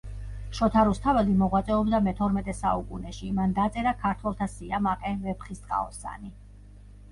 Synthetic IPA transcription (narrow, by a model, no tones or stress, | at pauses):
ʃɔt̪ʰaɾust̪ʰavɛlimɔʁwat̪sʼɛɔbd̪amɛt̪ʰɔɾmɛt̪ʼɛsaukʼunɛʃimand̪at̪sʼɛɾakʰaɾt̪ʰwɛlˠt̪ʰasiamaqʼɛvɛpχist̪ʼqʼa̰ɔsa̰ni